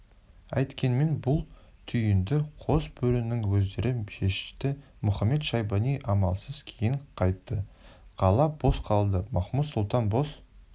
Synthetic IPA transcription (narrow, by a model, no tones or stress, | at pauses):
æ̰jt̪kʲe̞nme̞nbʊlˠ | t̪ʰʏjɪnd̪ɪqʰosbɵlɪnɪŋwɵzd̪e̞ɾʔɪʃe̞ʃɪ̥t̪ɪ | mʊχɑmːe̞t̪ʃɑjbɑnijʔɑmɑ̰lˠsəz̥kʲʰejɪɴqʰɑjt̪ːəqʰɑlˠɑb̥o̞sqʰɑlˠd̪əmɑχmut̪sʊlˠt̪ɑnbo̞s